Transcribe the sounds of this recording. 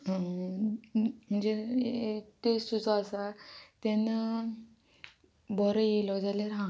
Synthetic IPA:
ɦ | m̤əɳd͡ze | t̪est̪ud͡zɔasat̪en | bɔɾəjelɔd͡zalaɾɦã

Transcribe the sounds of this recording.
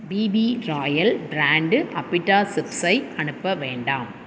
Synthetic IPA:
biːbiɾaːjɐlbɾaːɳɖɯʔɐpːɪʈːaːsɪpsɐɪʔɐɳɯpːɐʋeːɳɖaːm

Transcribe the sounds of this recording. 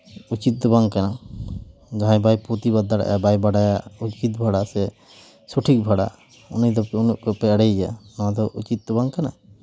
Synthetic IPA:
ut͡ʃit̪̚d̪ɔbaŋkana | ɡaãjbajput̪ibad̪ːaɽa̰ʔja̰bajbaɽajaut͡ʃit̪̚bʱaɽasɛ | suʈʰik̚bʱaɽa̰ | unəjd̪ɔunuʔkɔpɛaɽɛjd͡ʒanãd̪ɔʔut͡ʃit̪̚d̪ɔbaŋkana

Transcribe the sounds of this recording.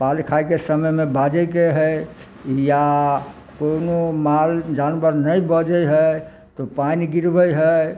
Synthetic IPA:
palkʰajkesəməjmẽbad͡ʒəjk̬eɦəj | ja | konomald͡ʒanbəɾnəjbəd͡ʒəjɦə | t̪ɔpanɡiɾbəjɦə

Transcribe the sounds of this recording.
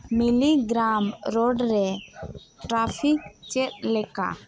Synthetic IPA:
miliɡɾamɾɔɖɾɛ | ʈɾapʰik̚t͡ʃɛt̪̚lɛka̰

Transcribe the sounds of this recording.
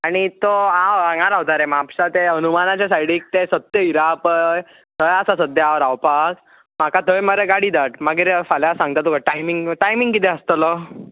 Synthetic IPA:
aɽ̃it̪oawaŋɡaɾaɦot̪aɾemapsat̪eənumanat͡ɕasajɽiːk̚t̪esət̪jəiɾapəj | t̪ʰəjasasəd̪ʱjaaʋɾawpas | m̤akat̪ʰəjməɾeɡaɽiːd̪aʈmaɡiɾfaljasãŋɡ̚t̪at̪ukaʈajmiŋɡʈajmiŋɡkit̪eəst̪ələ

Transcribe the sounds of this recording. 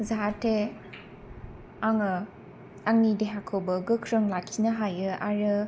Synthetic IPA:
zaɾtʰe | aŋɯ | aŋnideɦakʰobɯɡɯkʰɾɯŋlakʰinaɦajɯaɾɯ

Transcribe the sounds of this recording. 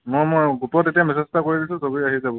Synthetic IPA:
mojmojɡupɔtetijamɛsɛstakoɹidilsũsoɡiiaɦizabɔ

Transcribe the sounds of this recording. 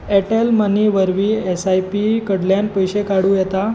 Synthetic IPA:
ɛʈelməniʋəɾʋiːesajpikəɽljanpəjɕekaɽuːjɛt̪a

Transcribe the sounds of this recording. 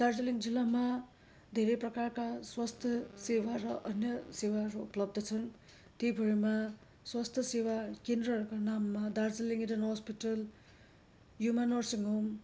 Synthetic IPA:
daɾzɐliŋd͡ʒilamɐ | d̪ʱeɾepɾɐkaɾkaswast̪ʰɐsewaɾɐʔɐnjʌsewaɾuuplʌb̚d̪ɐt͡sʰɯn | t̪ibʱɯɾimɐ | swast̪ʰɐsewakendɾɐɾkanamːɐdaɾziliŋidɐnhɔspitɐl | jumanɔɾsiŋom

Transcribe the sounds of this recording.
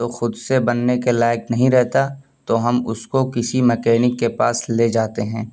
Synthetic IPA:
t̪oxʊd̪sebɐnːekelaːɪknɐɦĩɾɛɦt̪a | t̪oɦɐmʊskokɪsimɐkɛːnɪkːepaːsleːd͡ʒaːt̪eɦɛ̃ː

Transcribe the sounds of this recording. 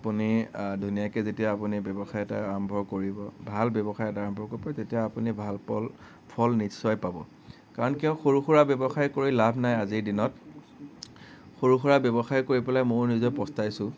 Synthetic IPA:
apunidʱunijakɛzetijaːpunibɔbɔxajɛta̰aɹɔmbʱɔkoɹibɔbʱalbɔbɔxajɛtaɹɔ̃mbʱɔkoɹipatetijaːpunibʱalpɔl | pʰɔlnisɔjpabɔ̰ | kaɹɔnkiɔ̃xoɹuxuɹabjɛbɔxajkoɹilabʱnajaziɹdinɔt̚ | xoɹuxuɹabɔbɔxajkoɹipɔlajmoɹnizɔjpɔstajsʊ̃

